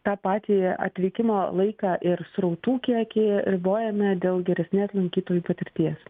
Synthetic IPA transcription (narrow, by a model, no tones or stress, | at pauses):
t̪ɑːpɑːt̪ʲiːɐ̰t̪ʲʋʲɪkʲɪmoːlˠɐɪkɑːʔɪɾsɾɐʊt̪uːkʲiɛkʲeːɾʲɪboːjɛmʲɛd̪ʲeːlˠɡʲɛɾʲɛsʲnʲeːslˠɐŋʲkʲiːt̪oːjuːpɐt̪ʲɪɾʲt̪ʲiɛs